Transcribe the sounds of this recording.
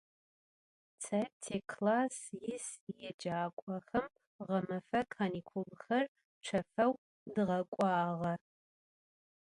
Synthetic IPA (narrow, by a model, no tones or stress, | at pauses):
t͡sʰɐtʰekʰlaːsjɪsjɛd͡ʒaːkʷʼɐxɐm | ʁɐmɐfɐkʰanikʷʰulxɐr | ʈ͡ʂʷʰɐfɐw | dɨʁɐkʷʼɑːʁɐ